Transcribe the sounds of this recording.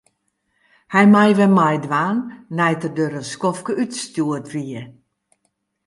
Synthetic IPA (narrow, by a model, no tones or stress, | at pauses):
hɛjmajʋɛmajdʋaːnːɛjtədøɾəskɔfkəytstjuətʋiə